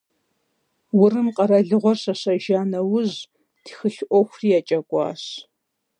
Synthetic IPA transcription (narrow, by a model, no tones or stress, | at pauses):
wʊrɨmqʼɐɾɐɮɨʁʷɔrɕɐɕɐʒaːnɐwʊʑ | tixɨɬʔʷɔxʷriːjat͡ʃʼɐkʷʼɑ̰ːɕ